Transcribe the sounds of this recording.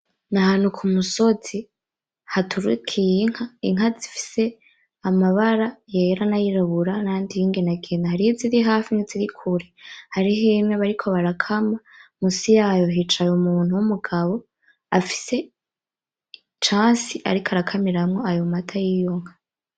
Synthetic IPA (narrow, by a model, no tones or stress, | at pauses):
naɦaːn̥ukʰumuso̞z̥i | hatʰuɾukʰijiŋ̥haiŋazifi̥se̞ | amaβaɾajeɾanajiɾaβuɾanandijiːŋɡenaɡenahaɾiiziɾiɦaːfiniziɾikʰuɾehaɾiɦemŋeβaɾikʰo̞βaɾakʰamamusijaːjoɦit͡ʃajumuːn̥uwumuɡaβo̞ | afi̥se̞ | t͡ʃaːsiʔa̰ɾikʰaɾakʰamiɾamŋo̞ajomatʰajijoŋha